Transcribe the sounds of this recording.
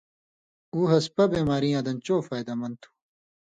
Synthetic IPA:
uːɦɐspɐbeːmaːɾĩjãːd̪ɐnt͡ɕoːfaːjd̪ɐmɐnt̪ʰu̥

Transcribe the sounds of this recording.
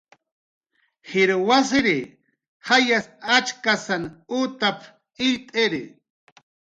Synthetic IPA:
hɪɾwasɪɾɪ | hajasat͡ʃkasanut̪apʰ | ɪʎt̪ʼɪɾɪ

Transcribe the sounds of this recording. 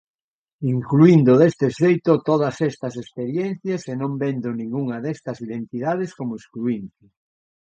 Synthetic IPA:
iŋkluind̪ʊðest̪ɪʃejt̪ot̪oð̞ɐsɛst̪ɐsespeɾjen̟θjɐsenõmbend̪onĩŋɡuŋɐðɛst̪ɐsiðent̪ið̞að̞ɪskomʊiskluint̪ɪ

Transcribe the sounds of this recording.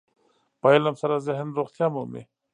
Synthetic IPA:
pajlamsaɾazeɦnɾoχt̪jaːmumḭ

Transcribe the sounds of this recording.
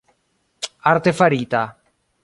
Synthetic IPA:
aɾt̪efaɾit̪a

